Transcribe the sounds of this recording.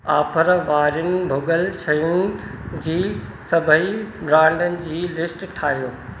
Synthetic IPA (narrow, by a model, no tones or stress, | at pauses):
aːpʰəɾʋaːɾjʊnɪ̆bʱʊɡəlt͡ɕʰɐjʊnɪ̆d͡ʑiːsɐbʱəibɾãːɳɖənɪ̆d͡ʑiːlɪsʈʈʰaːɦijoː